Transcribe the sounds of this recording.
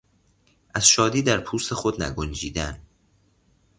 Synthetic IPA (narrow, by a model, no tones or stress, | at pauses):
ʔæz̥ʃɒːd̪iːd̪æɾpʰuːst̪e̞xod̪næ̰ɡond͡ʒiːd̪æn